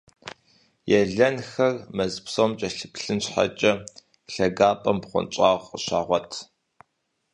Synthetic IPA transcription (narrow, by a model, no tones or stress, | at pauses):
jɛɮɐnxɐrmɐzpsoːmt͡ʃʼɐɬɨpɬɨnɕħa̰t͡ʃʼɐ | ɬɐɡaːpʼɐmpχʷʊ̰nt͡ʃʼɑːʁʷəɕa̰ːʁʷɔtʰ